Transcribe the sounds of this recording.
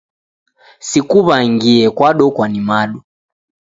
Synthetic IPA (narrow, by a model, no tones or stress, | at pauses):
sikuβaiŋɡiɛkwaɗɔkwanimaɗu